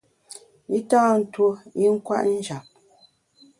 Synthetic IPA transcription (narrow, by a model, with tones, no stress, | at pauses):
i˦taː˦n̩˨two˦i˦ŋ̩˦kwa̰˦ʔn̩˦d͡ʒa˨p̚